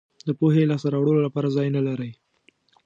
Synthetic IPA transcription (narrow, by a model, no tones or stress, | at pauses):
d̪əpoɦelɑsaɾawɽəlolapɑɾazɑjnəlaɾəj